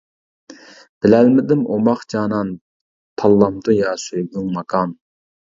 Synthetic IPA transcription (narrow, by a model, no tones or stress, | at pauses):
b̥ɪlɛlmɪd̪ɪmomɑχt͡ʃɑːnɑn | t̪ʰɑlˠːɑmt̪ujɑːsøjɡuŋmɑkʰɑn